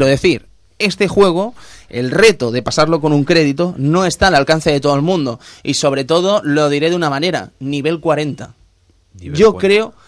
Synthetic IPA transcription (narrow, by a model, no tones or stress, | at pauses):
ɾoðe̞θiɾ | e̞st̪e̞xwe̞ɣ̞oe̞lre̞t̪oðe̞pasaɾlo̞ko̞nuŋkɾe̞ð̞it̪o̞no̞e̞st̪aːlalkan̟θe̞ðe̞t̪o̞ð̞oelmũnd̪o̞iso̞β̞ɾe̞t̪o̞ð̞o̞lo̞ð̞iɾe̞ðunamãne̞ɾa̰niβ̞e̞lkwaɾe̞nt̪a | ʝo̞kɾe̞o